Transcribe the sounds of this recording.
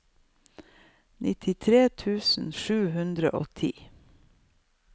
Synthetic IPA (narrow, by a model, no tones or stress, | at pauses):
nʔɪt̪ʰɪt̪ʰɾeːt̪ʰʉːsn̩ʃʉːhʉnd̪ɾə̰ʔoːt̪ʰiː